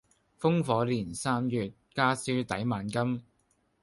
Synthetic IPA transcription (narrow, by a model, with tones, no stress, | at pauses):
fʊ˥ŋfɔː˨˥liː˨˩nsaː˥mjyː˨t̚kaː˥siː˥t̪ɐ˨˥jmaː˨˩nkɐ˥m